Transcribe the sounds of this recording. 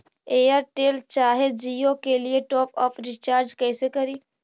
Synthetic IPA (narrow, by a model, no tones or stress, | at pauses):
eːjəɾʈeːlt͡ʃaːɦed͡ʒiːokelieʈɔːpɔːfɾɪt͡ʃaːɾd͡ʒkɛːsekɐɾiː